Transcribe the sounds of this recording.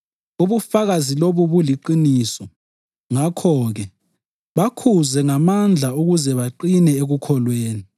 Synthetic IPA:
uβufaɣaziloβuβuliǃinisɔ | ŋakʰɔɣɛ | βakʰuzɛŋamand͡ɮʱauɣuzɛβaǃinɛeɣukʰɔlweːni

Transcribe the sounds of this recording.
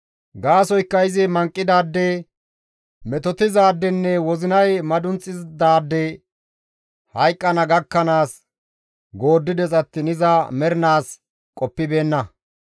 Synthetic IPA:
ɡaːsɔjkːɐjɪzɪmɐŋkʼːɪd̪aːd̪ːɛ | mɛt̪ɔt̪ɪzaːd̪ːɛnːɛwɔzɪnɐjmɐd̪ʊnt͡sʼːɪzd̪aːd̪ːɛ | hɐjkʼːɐnɐɡɐkːɐnaːs | ɡo̞ːd̪ːɪd̪ɛt͡sʼɐt̪ːɪnɪzɐmɛɾɪnaːs | kʼɔpːɪbe̞ːnːɐ

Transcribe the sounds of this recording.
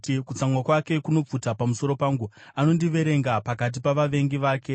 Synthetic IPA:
kut͡samwakwake̞kuno̞p͡futapamuso̞ɾo̞paːŋɡuano̞ndiʋe̞ɾe̞ŋɡapakat̬ipaʋaʋe̞ŋɡiʋaːke̞

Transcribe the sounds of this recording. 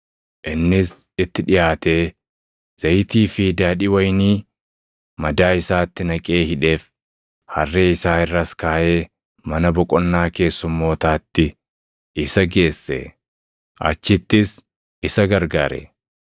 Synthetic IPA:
ʔɪnːɪs | ɪt̪ːɪᶑɪjaːt̪e̞ː | z̥ɐjt̪iːfɪd̪aːᶑɪwɐjniː | mɐd̪aːɪsaːt̪ːɪnɐkʼe̞ːhɪᶑe̞ːf | hɐrːe̞ːɪsaːɪrːɐskaːʔe̞ː | mɐnɐbɔkʼɔnːaːke̞ːsːʊmːo̞ːt̪aːt̪ːɪ | ɪsɐɡe̞ːsːɛ̰ | ʔɐ̰t͡ʃːɪt̪ːɪs | ɪsɐɡɐɾɡaːɾɛ̰

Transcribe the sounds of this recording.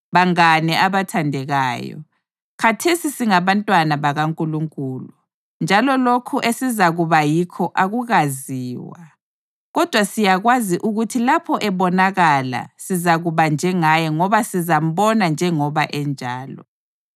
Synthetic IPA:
βaŋanɛʔaβatʰandʱɛɣaːjɔ̰ | kʰatʰesisiŋaβantʼwanaβaɣaŋkʼuluŋkʼuːlu | nd͡ʒʱalɔlokʰuʔesizaɣuβajikʰɔʔaɣuɣaziːwa̰ | ɣɔd̥ʱwasijaɣwaziʔuɣutʰilapʰɔʔɛβɔnaɣala̰sizaɣuβand͡ʒʱɛŋajɔŋɔβasizam̩βɔnand͡ʒʱɛŋɔβaʔɛnd͡ʒʱaːlɔ̰

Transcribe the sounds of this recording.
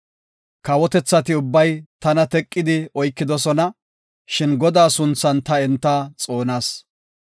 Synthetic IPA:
kɐwɔt̪ɛt͡sːɐt̪ɪʊbːɐjt̪ɐnɐt̪ɛkʼːɪd̪ɪɔjkːɪd̪ɔsɔnɐ | ʃɪnɡɔd̪aːsʊnt͡sːɐnt̪ɐɛnt̪ːat͡sʼo̞ːnaːs

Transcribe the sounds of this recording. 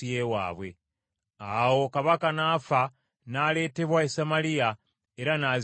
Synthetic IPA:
ijewa̰ːβwe̞̰ | awo̞kaβakanaːfa | nale̞ːte̞βwaesamalija | eɾanaz

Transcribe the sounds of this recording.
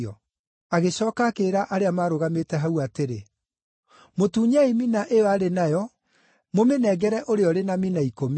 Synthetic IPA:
ɔ | aɣeɕɔːkakeɾaʔaɾeamaːɾoɣametɛɦauateɾe | motuːɲaiminaʔeɔaɾenajɔ | momenɛɡɛɾɛʔoɾeɔɾenaminaikom

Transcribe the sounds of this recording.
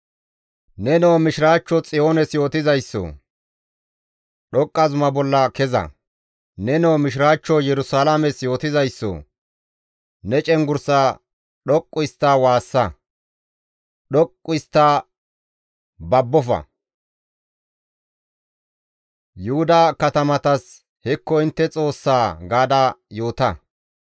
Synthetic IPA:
nɛnoːmɪʃɪɾaːt͡ʃːɔt͡sʼɪjo̞ːnɛsjo̞ːt̪ɪzɐjsːɔ̰ | ɗɔkʼːɐzʊmɐbɔlːɐkɛzɐ̰ | nɛnoːmɪʃ̬ɪɾaːt͡ʃːɔjɛɾʊsaːlamɛsjo̞ːt̪ɪzɐjsːɔ̰ | nɛt͡ʃʼɛŋɡʊɾsa | ɗɔkʼːʊɪst̪ːawaːsːɐ | ɗɔkʼːʊɪst̪ːa | bɐbːɔfɐ̰ | jʊhʊd̪ɐkɐt̪ɐmɐt̪ɐs | hɛkːɔɪnt̪ːɛt͡sʼo̞ːsːaːɡaːd̪ajoːt̪ɐ

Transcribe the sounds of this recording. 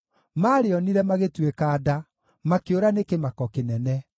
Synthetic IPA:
maːɾeɔniɾɛmaɣetwekaːda | makeoɾanekemakɔkenɛnɛ

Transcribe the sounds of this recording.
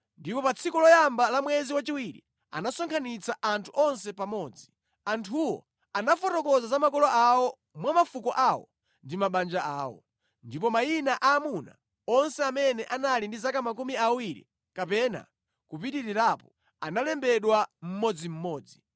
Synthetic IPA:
ndipɔpat͡sʰikɔlɔjambalamwɛziwat͡ʃiwiɾḭ | a̰nasɔŋkʰanit͡saʔantʰuʔɔns̬ɛpamɔːd͡zi | antʰuwɔ̰ | anafɔtɔkɔzazamakɔlɔʔawɔ | mwamafukɔʔawɔ̰ | ndimaɓand͡ʒaaːwɔ̰ | ndip̬ɔmajinaʔaːmuna̰ | ɔnsɛamɛnɛʔanalindizakamak̬umiawiɾḭ | kapɛna̰ | kupitiɾiɾapɔ | analɛmbɛɗwam̩mɔd͡zim̩mɔːd͡zi

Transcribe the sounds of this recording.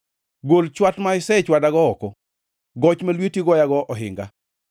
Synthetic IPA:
ɡolt͡ʃwatmaɪsɛt͡ʃwadaɡɔɔkɔ | ɡɔt͡ʃmelwetiɡɔjaɡɔʔɔɦɪ̰ŋɡa

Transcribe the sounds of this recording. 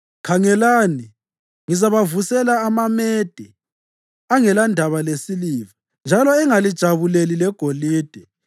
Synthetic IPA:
kʰaŋɛlaːni | ŋizaβavusɛlaːmamɛd̥ʱɛ | aŋɛlandʱaβalesiliːva | nd͡ʒʱalɔɛŋalid̥ʒ̥ʱaβulelilɛɡ̥ʱoliːd̥ʱɛ

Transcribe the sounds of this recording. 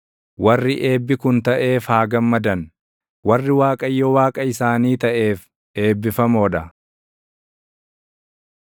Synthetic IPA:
wɐrːɪʔe̞ːbːɪkʊnt̪ɐʔe̞ːfhaːɡɐmːɐd̪ɐn | wɐrːɪwaːkʼɐjːɔwaːkʼɐɪsaːniːt̪ɐʔe̞ːf | e̞ːbːɪfɐmoːᶑɐ

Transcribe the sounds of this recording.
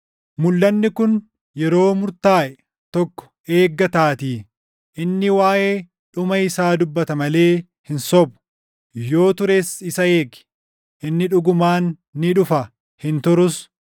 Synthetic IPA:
mʊlːɐnːɪkʊn | jɛɾo̞ːmʊɾt̪aːʔɛ | t̪ɔkːɔ̥ | e̞ːɡːɐt̪aːt̪iː | ʔɪnːɪwaːʔeː | ᶑʊmɐɪsaːd̪ʊbːɐt̪ɐmɐle̞ː | hɪnsɔbʊ̥ | jo̞ːt̪ʊɾesɪsɐe̞ːɡɪ̥ | ʔɪnːɪᶑʊɡʊmaːnː | ɪᶑʊfɐ | hɪnt̪ʊɾʊs

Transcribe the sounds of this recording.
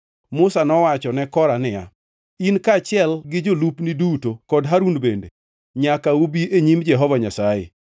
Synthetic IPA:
mʊsanɔwat͡ʃɔnɛkɔɾanɪja̰ | inkat͡ʃɪɛlɡɪd͡ʒolupnidutokɔdɦaɾunbende | ɲakaobiʔeɲimd͡ʒɛɦɔvaɲasajḛ

